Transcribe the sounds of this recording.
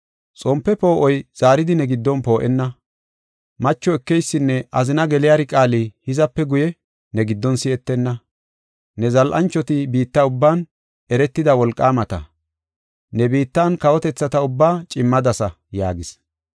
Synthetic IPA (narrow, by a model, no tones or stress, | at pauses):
t͡sʼɔmpːɛpo̞ːʔɔjz̥aːɾɪd̪ɪnɛɡɪd̪ːɔnpo̞ːʔɛnːɐ | mɐt͡ʃːɔɛkːɛjsːɪnːɛʔɐzɪnɐɡɛlɪjaɾɪkʼaːlihɪzɐpːɛɡʊjɛ | nɛɡɪd̪ːɔnsɪɛt̪ːɛnːɐ | nɛzɐlʔɐ̰nt͡ʃːɔt̪ɪbiːt̪ːɐʊbːaːn | ɛɾɛt̪ːɪd̪ɐwɔlkʼːaːmɐt̪ɐ̰ | nɛbiːt̪ːɐnkɐwɔt̪ɛt͡sːɐt̪ɐʊbːaːt͡ʃʼɪmːɐd̪ɐsɐ | jaːɡɪs